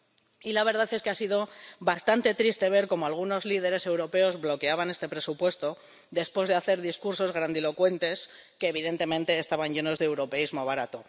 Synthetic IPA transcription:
ilaβ̞e̞ɾð̞aθe̞skeasiðo̞βast̪ant̪e̞t̪ɾist̪e̞β̞e̞ɾko̞moalɣ̞uno̞zlið̞e̞ɾe̞se̞wɾo̞pe̞o̞zβlo̞ke̞aβ̞ane̞st̪e̞pɾe̞supwe̞st̪o̞ | ðe̞spwe̞zðe̞aθe̞ɾðiskuɾso̞zɣɾand̪ilo̞kwe̞nt̪e̞skeːβ̞iðe̞nt̪e̞mẽnt̪e̞ːst̪aβ̞aɲʝe̞no̞zðeewɾo̞pe̞izmo̞βaɾat̪o̞

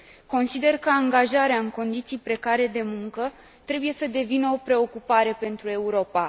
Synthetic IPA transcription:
ko̞nsid̪e̞rkəaŋɡaʒaɾeaɨŋko̞nd̪it̪sijpɾe̞kaɾe̞d̪e̞muŋkə | t̪ɾe̞buje̞səd̪e̞vinəo̞pɾe̞o̞kupaɾe̞pe̞nt̪ɾue̞uɾo̞pa

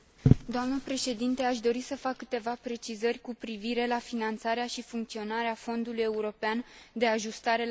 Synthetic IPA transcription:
d̪oamnəpɾe̞ʃe̞d̪int̪e̞aʃd̪o̞ɾisəfakːɨt̪e̞vapɾe̞t͡ʃizərʲkupɾiviɾe̞lafinant̪saɾeaʃifuŋkt̪sio̞naɾeafo̞nd̪uluje̞uɾo̞peand̪e̞aʒust̪aɾe̞

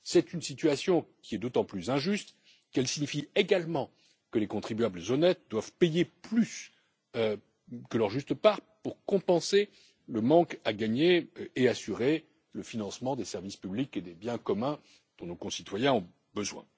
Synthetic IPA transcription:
sɛt̪ynsit̪ɥasjɔ̃kʲiɛd̪ot̪ɑ̃plyzɛ̃ʒyst̪ | kɛlsiɲifieɡalmɑ̃ | kəlekɔ̃t̪χibɥabləzɔnɛt̪̚d̪wav̥pejeplys | ø | kəlœʁʒyst̪əpaʁpuʁkɔ̃pɑ̃se | ləmɑ̃kaɡaɲeeasyʁe | ləfinɑ̃smɑ̃d̪esɛʁvispybliked̪ebjɛ̃kɔmɛ̃ | d̪̥ɔ̃nokɔ̃sit̪wajɛ̃ɔ̃ | bəzwɛ̰̃

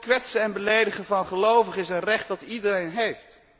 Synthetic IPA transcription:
kʋɛtsəɛnbəlejdəχəvɑnχəlowvəχɪsənrɛχt̚dɑtidərejnɦejft

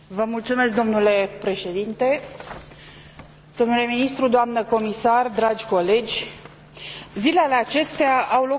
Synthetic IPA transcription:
vəmult̪sume̞sk̚d̪o̞mnule̞pɾe̞ʃe̞d̪int̪e̞ | d̪̥o̞mnule̞minist̪ɾud̪oamnəko̞misard̪ɾad͡ʒʲko̞le̞d͡ʒʲ | zilealeat͡ʃe̞st̪eaʔawlo̞

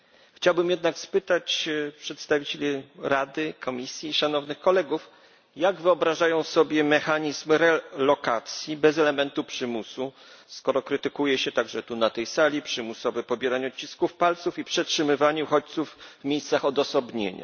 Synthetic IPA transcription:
xt͡ɕawbɘmjɛd̪nakspɘt̪at͡ɕpʂɛt̪st̪avʲit͡ɕelʲiɾad̪ɘkʰɔmʲisʲjiːʂanɔvnɘxkɔlɛɡuf | jaɡvɘɔbɾaʐajɔ̃w̃sɔbʲjɛmɛxaɲizmɾɛlɔkat̪sʲjibɛzɛlɛmɛnt̪upʂɘmusu | skɔɾɔkɾɘt̪ɘkujɛɕɛt̪aɡʐɛt̪unat̪ɛjsalʲipʂɘmusɔvɛpɔbʲɛɾaɲɔt͡ɕiskufpalt̪sufipʂɛtʂɘmɘvaɲɛuxɔt͡ɕt̪suvːmʲejst̪saxɔd̪ɔsɔbɲḛɲa̰

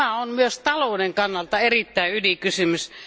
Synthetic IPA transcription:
æonmyøst̪ɑloˑudeŋkɑnːɑlt̪ɑerit̪ːæˑeylikysymys

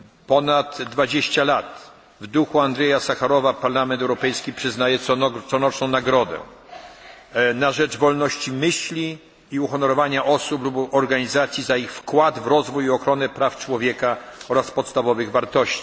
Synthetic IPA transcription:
pɔnat̪ːvad͡ʑeɕt͡ɕalat̪ | vd̪uxuand̪ʐɛjasaxaɾɔvapaɾlamɛnt̪ɛwɾɔpɛjskʲipʂɘznajɛt̪ɔt̪sɔnɔt͡ʂnɔ̃w̃naɡɾɔd̪ɛ̰ | naʐɛvɔlnɔɕt͡ɕimɘɕlʲiː | uxɔnɔɾɔvaɲaʔɔsuplubɔɾɡaɲizat̪sʲjizaixfkwad̪vɾɔzvujɔxɾɔnɛpɾaft͡ʂwɔvʲjɛkaɔɾaspɔt̪st̪avɔvɘɣvaɾt̪ɔɕt͡ɕi̥

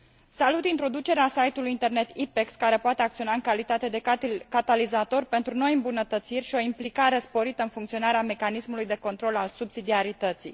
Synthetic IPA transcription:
salut̪int̪ɾo̞d̪ut͡ʃe̞ɾeasajt̪ulujint̪e̞rne̞t̪ipekskaɾe̞poat̪e̞akt̪sio̞naɨŋkalit̪at̪e̞d̪e̞kat̪alizat̪o̞rpe̞nt̪ɾuno̞jɨmbunət̪ət̪sirʲʃio̞implikaɾe̞spo̞ɾit̪əɨnfuŋkt̪sio̞naɾeame̞kanismulujd̪e̞ko̞nt̪ɾo̞lalsubsid̪iaɾit̪ət̪sḭ

